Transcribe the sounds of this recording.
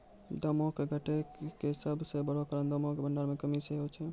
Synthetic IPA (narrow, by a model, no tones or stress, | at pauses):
d̪əmõkeɡʱəʈekeɦsəbʱsebəɽokəɾənd̪əmõkebəɳɖaɾmekəmiseɦot͡ʃʰɛ